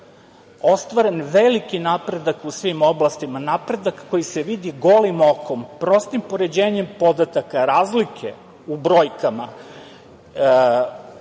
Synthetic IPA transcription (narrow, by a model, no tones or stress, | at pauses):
o̞st̪ʋaɾe̞nʋelikinapɾe̞d̪akusʋimo̞blˠast̪imanapɾe̞d̪akːo̞jiseʋid̪iɡo̞limo̞ko̞mpɾo̞st̪impo̞ɾe̞d͡ʑe̞ːɲe̞mpo̞d̪at̪akaɾaːzlikʰe | ubɾo̞jkama